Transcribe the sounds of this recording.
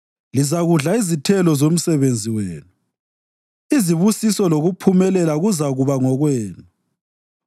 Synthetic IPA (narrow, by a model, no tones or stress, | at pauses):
lizaɣuɮaizitʰɛlɔzom̩sɛβend͡zʱiwḛːnu | iziβusisɔloɣupʰumɛlɛlaɣuzaɣuβaŋɔɣwɛːnu